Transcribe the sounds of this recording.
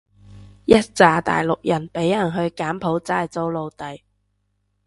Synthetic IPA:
jɐ˥t̚t͡saː˧t̪a̰ː˨jlʊ˨k̚jɐ˨˩npe˨˥jɐ˨˩nɦɵ˧ɥkaː˨˥mpʰo˨˥wt͡saː˥˨jt͡so˥wlo˨˧wt̪ɐ˨j

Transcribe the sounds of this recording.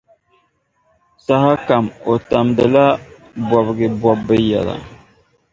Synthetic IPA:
sa˦ha˦ka˨mo˨ta˨mdɨ˨la˦ | bɔ˨bɡɪ˨bɔ˨bːɨ˦ja̰˨la̰˨

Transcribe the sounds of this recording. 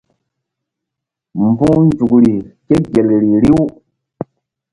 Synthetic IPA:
m˨bu˦ŋn˦d͡ʒu˨kɾi˨ke˦ɡe˨lɾi˨ɾi˦w

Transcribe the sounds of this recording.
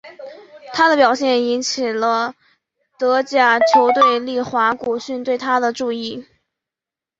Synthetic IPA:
t̪ʰa˥d̪ə˨pjɑ˨˩ʊɕjɛ˥˩ni˧˥nt͡ɕʰi˨˩lə˦ | t̪ɤ˧˥t͡ɕja˥˩t͡ɕʰjo˧˥ʊt̪we˥˧ɪli˥˩xwa˧˥ku˨˩ɕy˥˧nt̪we˥˩ɪt̪ʰa˥d̪ə˨ʈ͡ʂu˥˧i˥˩

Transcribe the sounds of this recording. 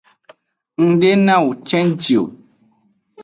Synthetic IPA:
ŋ̩˦ɖe˦nã˦˨wu˨t͡ʃɛ̃˦nd͡ʒi˨o̰˨

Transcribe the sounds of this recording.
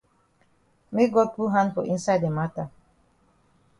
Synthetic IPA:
me˦ɡɔ˦t̪̚pu˦ɦã˦npɔ˨ʔĩ˦nsa˦jd̪e˨ma˦t̪a˨

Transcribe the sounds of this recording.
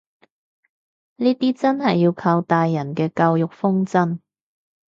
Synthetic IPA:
niː˥t̪iː˥t͡sɐ˥nɦɐ˨jːiː˧wkʰaː˧wt̪aː˨jːɐ˨˩nkɛː˧kɐ˧wjʊ˨k̚fʊ˥ŋt͡sɐ˥n

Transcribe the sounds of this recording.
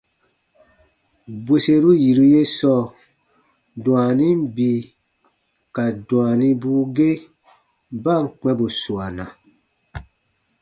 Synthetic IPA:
be˨se˧ɾu˦ji˨ɾu˦je˦sɔ˦ | dũ˨a˨nĩ˦mbi˧ | ka˨dũ˨a˨nĩ˦buː˦ɡe˦ | ba˦˨ŋ˨k͡pɛ̃˦bo˨su˨a˨nã˨

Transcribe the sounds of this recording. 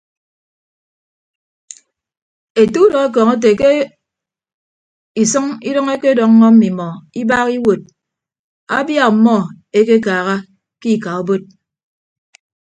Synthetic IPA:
e˨tu˦dɔ˨e˦k̬ɔː˨ŋe˦t̬e˨ke˦ | i˨sʌ˦ŋi˦dʌ˦ŋe˦ke˦dɔ˦˨ŋː˦ɔ˦m̩˦mi˨mɔ˨i˦ba˦ki˦wo˨t̚ | a̰˦bja˦˨k̚m̩˨mɔ˦ | e˦ke˦kaː˨ɣa˦ | ki˦˨ka˨o˦bo˦t̚

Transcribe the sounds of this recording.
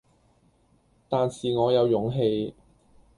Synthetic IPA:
t̪aː˨nsiː˨ŋɔː˨˧jɐ˨˧wjʊ˨˥ŋɦe˧j

